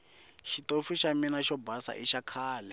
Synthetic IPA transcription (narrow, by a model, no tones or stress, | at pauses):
ʃitofiʃaminaʃɔbasa̰ʔiʃakʰaːlɛ